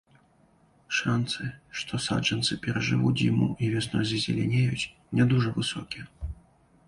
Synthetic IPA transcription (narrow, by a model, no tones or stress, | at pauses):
ʂant̪sɨʂt̪ʰɔsa̰ʐɛnt̪sɨpʲɛɾɐʐɨvuimṵʔivʲɛsnɔzʲɐzʲɛ̰lʲɛnʲejut͡sʲ | nʲɛd̪uʐɐvɨsɔkʲiɛ